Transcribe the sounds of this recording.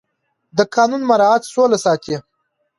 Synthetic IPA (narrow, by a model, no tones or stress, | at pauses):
d̪əkɑːnunmaɾɑat̪solasɑːt̪ʰe